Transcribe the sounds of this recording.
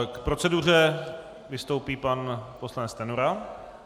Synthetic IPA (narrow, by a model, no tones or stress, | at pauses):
kpɾo̞t͡sɛdur̝ɛ | vɪst̪owpiːpanposlanɛt͡st̪ɛnuɾa